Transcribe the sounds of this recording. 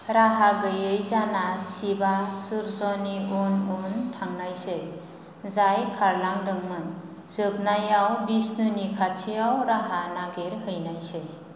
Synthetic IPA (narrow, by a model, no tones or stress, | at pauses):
ɾaɦaɡəjəjd͡zanasibasuɾsɔniononʈʰaŋnajset | d͡zajkʰaɾlaŋɖəŋmən | d͡zəbnajawbisnunikʰat͡ʃʰiawɾaɦanaɡeɾɦəjnajse